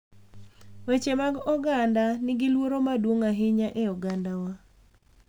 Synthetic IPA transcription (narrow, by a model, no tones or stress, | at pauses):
wet͡ʃemaɡɔɡandanɪɡɪlwoɾomadwoŋaɦɪɲaʔɛɔɡandawa